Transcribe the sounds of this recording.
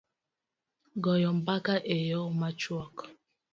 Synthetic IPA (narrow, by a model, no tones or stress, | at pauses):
ɡɔjɔm̩bakaʔejɔmat͡ʃwɔk